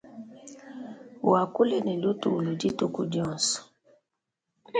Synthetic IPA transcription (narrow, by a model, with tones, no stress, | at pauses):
wa˨ku˦le˦nɛ˨lu˦tu˨lu˨d͡ʒi˦tu˦ku˦dɔ̃˦˨nsɔ̥˨